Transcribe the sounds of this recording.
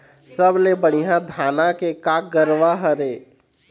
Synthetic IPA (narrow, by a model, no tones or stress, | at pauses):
səblebəɽijãd̪ʱaːnakekak̚ɡəɾʋaɦəɾe